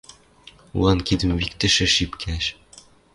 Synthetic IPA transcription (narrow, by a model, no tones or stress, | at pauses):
wɑnkid̪ɘ̆mwikt̪ɘ̆ʃɘ̆ʃipkʲʰæʃ